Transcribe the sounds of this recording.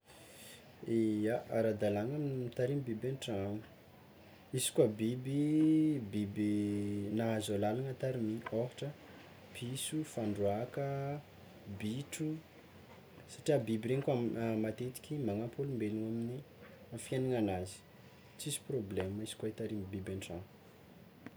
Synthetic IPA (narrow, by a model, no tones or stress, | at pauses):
eaaɾad̪alanaminimit̪aɾimibibenʈ͡ʂaŋə̥ | izi̥kwabibibibinaɦazalalaŋat̪aɾimioɦiʈ͡ʂə | pʰisufaɳɖ͡ʐuakə | biʈ͡ʂu | sḁʈ͡ʂiabibiɾeɲikamat̪et̪i̥kʲimaŋapolumbeluŋamini | afianaŋanazi̥ | t͡sisi̥probleməizi̥kwait̪aɾimbibaɳʈ͡ʂa̰ŋu